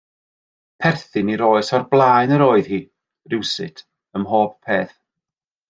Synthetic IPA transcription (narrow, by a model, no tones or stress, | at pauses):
pʰɛrθɪniɾoːɨsɔrblˠaːjnəɾoːɨð̥hiː | rɪwsɪtʰ | əmɦoːppʰeːθ